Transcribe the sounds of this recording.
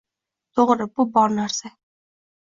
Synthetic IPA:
t̪ʰoʁɾəbubɑɾnæɾsɛ

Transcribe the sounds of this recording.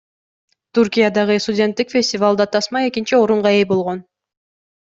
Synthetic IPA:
t̪urkʲijad̪ɑʁɯst̪ʊdʲe̞nt̪ːikfʲe̞sʲtʲɪvalˠd̪ɑt̪ʰɑsmɑe̞kʲint͡ʃio̞ɾuɴʁɑe̞jbo̞lˠʁo̞n

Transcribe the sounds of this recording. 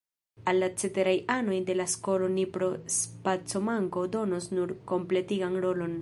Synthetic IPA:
alːat͡se̞te̞ɾajano̞jde̞lasko̞lo̞nipɾo̞spat͡so̞maŋko̞do̞nosnuɾko̞mple̞tiɡanɾo̞lo̞n

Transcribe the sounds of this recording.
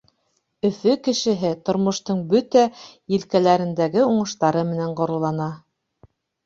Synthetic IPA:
ɵ̆fɵkɘ̆ʃɘ̆ɦɘt̪ŏɾmŏʃt̪ɤɴbɵt̪æjɘ̆lkælæɾɘ̆nd̪æɡɘuɴɤ̆ʃt̪ɑɾɤmɘ̆næɴqŏɾɤ̆lˠːɑnɑ

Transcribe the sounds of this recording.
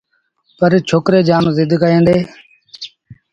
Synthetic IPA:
pəɾt͡ʃʰoːkɾeːd͡ʒaːnzɪd̪ʱkəẽːnd̪eː

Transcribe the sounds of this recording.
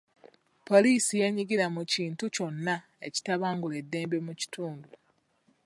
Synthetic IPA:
po̞liːsije̞ɲiɡiɾamuciːntuco̞nːa | e̞̰ci̥taβaːŋɡule̞dːe̞ːmbe̞muci̥tʰuːndu

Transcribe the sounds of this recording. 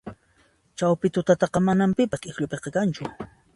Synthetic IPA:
t͡ʃawpɪt̪ʊt̪at̪ɑqɑmanampɪpaskʼɪxʎʊpeqɑkant͡ʃʊ

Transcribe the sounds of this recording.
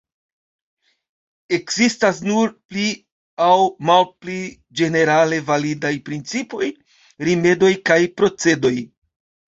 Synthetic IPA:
e̞kzistas̬nuɾpli | awmalpli | d͡ʒe̞ne̞ɾale̞validajpɾint͡sipo̞j | ɾime̞do̞jkajpɾo̞t͡se̞do̞j

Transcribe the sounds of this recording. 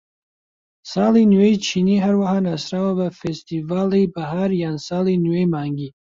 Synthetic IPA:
sɑːlinuwejt͡ʃʰiniɦaɾwaɦanasɾawabafest̪ivaːlijbaɦaɾjaːnsaːlinuwemaːŋɡi

